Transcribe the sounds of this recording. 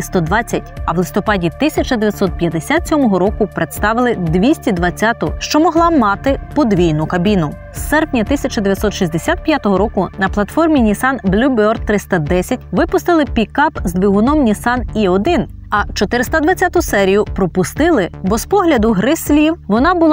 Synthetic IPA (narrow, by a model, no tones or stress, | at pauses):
st̪ɔd̪ʋɑt͡sʲːɐtʲɐʋlˠɪst̪ɔpɑdʲit̪ɪsʲɐt͡ʃɐd̪eʋʲjɐt̪sɔt̪̚pʲjɐd̪esʲat̪sʲɔmɔɦɔɾɔkʊpɾet̪st̪ɑʋɪlˠɪd̪ʋʲisʲtʲid̪ʋɐt͡sʲːat̪ʊʃt͡ʃɔmɔɦlˠɑmɑt̪ɪpɔd̪ʋʲijnʊkɐbʲinʊ | sɛrpnʲɐt̪ɪsʲɐt͡ʃɐd̪eʋʲjɐt̪sɔt̪ʃizʲd̪esʲat̪̚pʲjat̪ɔɦɔɾɔkʊnɐplˠɐt̪fɔrmʲinʲisɑnblʲubɔr̚t̪ːɾɪst̪ɐd̪ɛsʲɐtʲʋɪpʊst̪ɪlˠɪpʲikɑpzd̪ʲʋʲiɦʊnɔmnʲisɑniɔd̪ɪn | ɐt͡ʃɔt̪ɪɾɪst̪ɐd̪ʋɐt͡sʲːat̪ʊsɛɾʲijʊpɾɔpʊst̪ɪlˠɪbɔspɔɦlʲɐd̪ʊɦɾɪsʲlʲiwʋɔnɑbʊlˠ